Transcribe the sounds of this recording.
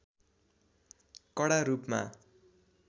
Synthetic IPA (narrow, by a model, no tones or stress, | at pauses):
kʌɽaɾupma̰